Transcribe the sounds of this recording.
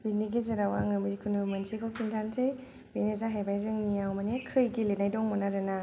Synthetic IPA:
biniɡezeɾawaŋɯmɯɾikʰunumɐnsʰekʰɔwkʰintʰansʰɯj | benezaɦajbajzɯŋnijawmanekʰɯjɡilenajdɔŋmɔnaɾɯna

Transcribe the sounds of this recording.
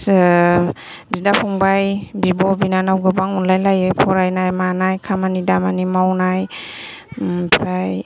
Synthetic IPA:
s | bidapʰɔŋbajbibɔbinanawɡɯbaŋunlajlajɯjpʰɔɾajnajmanajkʰamanidamanimawnaj | pʰɾaj

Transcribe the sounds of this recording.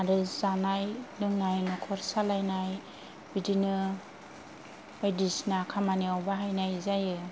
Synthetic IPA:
aɾɯzanajdɯŋnajnɔkʰɔɾsalajnaj | bidinɯ | ejdisnakʰamaniawbaɦajnajzajɯ

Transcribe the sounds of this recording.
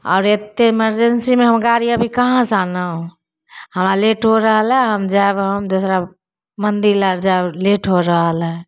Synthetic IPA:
ɔ̰ːɾet̪ːeeməɾd͡ʒensimeɦəmɡaɾiəbʱikəɦãsanəɦũ | həmɾaleʈɦoɾəɦəlɦɛ̃ɦəmd͡ʒaebɦəmd̪osɾa | mənd̪iləɾd͡ʒaebleʈɦoɾəɦəlɦɛ̃

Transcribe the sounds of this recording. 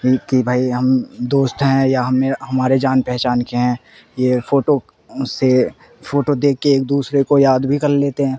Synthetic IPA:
ikibʱaːiɦɐmd̪oːst̪ɦɛ̃jaɦɐmːeɦɐmaːɾed͡ʒaːnpɛɦt͡ʃaːnkeɦɛ̃ː | jefoːʈo | se | fʰoːʈod̪eːkʰːeːk̚d̪uːsɾekojaːd̪bʱikɐɾleːt̪eɦɛ̃ː

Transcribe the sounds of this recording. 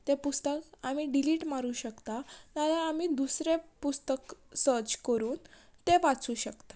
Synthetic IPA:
t̪epust̪əkam̤iːɖiliːʈmaɾuːɕəkt̪at̪alaamiːd̪usɾepust̪əksət͡ɕkəɾuːn | t̪eʋat͡suːɕəkt̪ḁ

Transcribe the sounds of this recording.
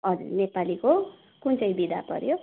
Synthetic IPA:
ʌd͡zṵrnepaliko | kunt͡sʌjbid̪ʱa̰pʌ̰ɾjo

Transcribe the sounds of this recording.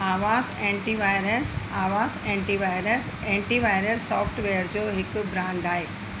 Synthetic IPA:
aːʋaːzɛ̃ːɳʈiʋaːɪɾəsaːʋaːzɛ̃ːɳʈiʋaːɪɾəs | ɛ̃ːɳʈiʋaːɪɾəsːɔːfʈʋeːəɾd͡ʑoːɦɪkbɾãːɳɖaːɦeː

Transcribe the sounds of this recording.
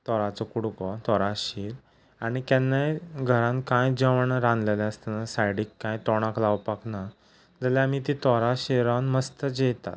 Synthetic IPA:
t̪ɔɾat͡sɔkuɽkɔt̪ɔɾaɕiɾ | aɽ̃ik̪ɛnːajɡʱəɾãnkãjd͡ʑəʋəɳɾãnd̪lelaəst̪anasajɽiːkːãjt̪ɔɽ̃aklawpakna | d͡zəljamit̪it̪ɔɾaɕiɾanməst̪əd͡ʑet̪a̰t̪̚

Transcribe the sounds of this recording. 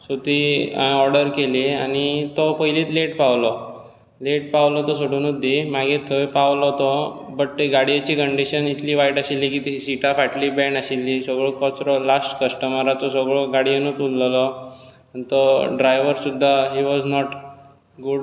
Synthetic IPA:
sut̪iɔɾɽəɾkeliañit̪ɔpəiliːt̪leʈpaʋlɔ | leʈ̚paʋlɔt̪ɔsoɽuːnud̪ːimaɡet̪ʰəjpaʋlɔt̪ɔ | bəʈ̚t̪eɡaɽijat͡ɕiːkəɳɖiɕənit̪ʰliːʋajiʈəɕilːikit̪isiʈafaʈlibɛɳaɕilːisəɡɭɔkət͡sɾɔlasʈkəsʈəməɾat̪ɔsɔɡɭɔɡaɽienuːt͡sulllɔ | anit̪ɔɖɾajʋəɾsud̪ʱːaɦiʋɔznɔʈ | ɡuɖ

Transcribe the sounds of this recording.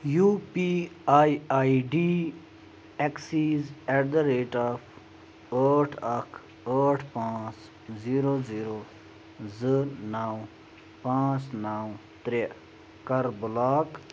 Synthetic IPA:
juːpiaːiaːiɖiː | eksiːzɛʈ̚d̪əɾeːʈaːf | əːʈʰɐkʰ | əːʈʰpãːt͡s | ziːɾoːziːɾoː | zənaːw | pãːt͡snaːwt̪ɾe | kɐɾbʊlaːk

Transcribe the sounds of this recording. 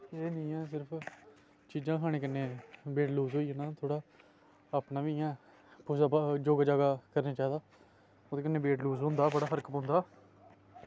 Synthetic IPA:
eːnĩːɛ̃ːs̬ɪɾpʰ | t͡ʃiːd͡ʒãːkɦaːɽeːk̬ənːeːbeːʈluːzɦoːiːãːnaːt̪ʰoːɽaː | apnaːʋiːɛ̃ː | poːsaːbad͡ʒoːɡaːd͡ʒaːɡaːkəɾnãːt͡ʃaːɦid̪aː | oːt̪eːkənːeːbeːʈluːzɦõːnd̪aːbəɽaːpʰəɾkpõːnd̪aː

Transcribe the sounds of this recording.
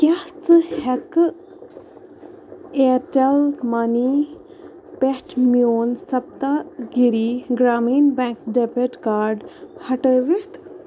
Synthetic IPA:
kʲaht͡sɨhɛk | eːɾt͡ʃɐlmani | pehʈʰmioːnsɐp̚t̪aɡiɾiɡɾaːmiːnbɛ̃ŋkɖepeʈkaːɾɖhɐʈəːʋiht̪

